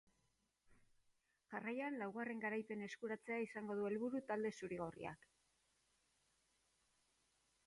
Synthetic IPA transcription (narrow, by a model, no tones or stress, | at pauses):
ʝarajanlawɣare̞ŋɡaɾajpe̞ne̞skuɾat͡se̞aisaŋɡo̞ð̞ue̞lβuɾut̪ald̪e̞suɾiɣ̞o̞rḭa̰k